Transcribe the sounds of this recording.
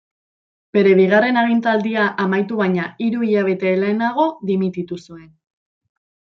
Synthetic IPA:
b̥e̞ɾe̞βiɣ̞are̞naɣ̞int̪ald̪iaʔamajt̪uβajɲaiɾuiʎaβ̞e̞t̪e̞leːnaɣ̞o̞ðimit̪it̪usue̞n

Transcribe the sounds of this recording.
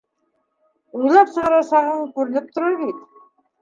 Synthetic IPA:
ujlˠɑpsəʁɑɾɑsɑʁəɴkʲɵɾɪ̆nɪp̚t̪ʰʊɾɑɾɡʲejt̪

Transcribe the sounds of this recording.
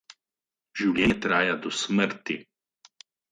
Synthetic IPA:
ʒiwlʲjɛːt̪ɾaːjad̪ɔsməɾt̪i

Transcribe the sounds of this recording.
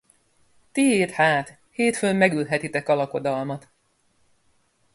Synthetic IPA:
t̪iɦeːt̪haːt̪ | heːt̪følmɛɡylɦɛt̪it̪ɛkɒlɒko̞d̪ɒlmɒt̪

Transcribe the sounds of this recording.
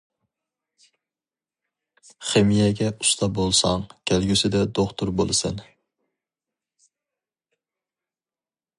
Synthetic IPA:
χemijɛɡʲɛu̥st̪ʰɑbolˠsɑŋkʲʰælɡʲysɪd̪ɛd̪oχt̪ʰʊɾbolˠɨsɨn

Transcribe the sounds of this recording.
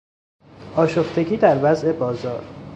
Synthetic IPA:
ʔɒːʃoft̪ʰe̞ɟiːd̪æɾvæze̞bɒːzɒːɾ

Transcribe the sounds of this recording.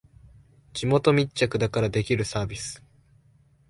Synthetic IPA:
d͡ʑimo̞t̪o̞mʲit͡ɕt͡ɕakɯ̟d̪akaɾad̪e̞kʲiɾɯ̟saːbʲisɨ̥

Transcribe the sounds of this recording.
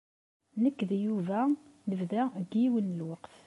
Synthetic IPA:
nəkːðjuvænəvðæɡiwənːəlwɑqt

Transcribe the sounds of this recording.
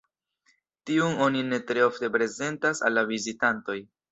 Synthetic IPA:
tiuno̞nine̞tɾe̞o̞fte̞pɾe̞ze̞ntasa̰lːavizitanto̞j

